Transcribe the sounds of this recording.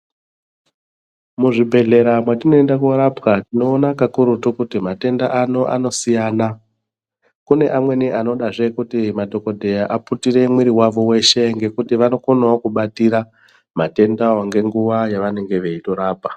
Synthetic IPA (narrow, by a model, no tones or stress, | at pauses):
muʐibʱe̞ɮe̞ɾamwatino̞e̞ndakoɾapkatino̞ːnakakuɾutukutimate̞ndaʔano̞ʔa̰no̞sijaːna | kune̞ʔamwe̞niʔano̞ɗaʐe̞kutimadʱo̞ko̞dʱe̞jaʔaputire̞mwiɾiwaʋo̞we̞ʃe̞ŋɡe̞kutiʋano̞konawokuɓatiɾa | mate̞ndaoŋɡe̞ŋɡuʋajaʋane̞ŋɡe̞ʋe̞ito̞ɾaːpa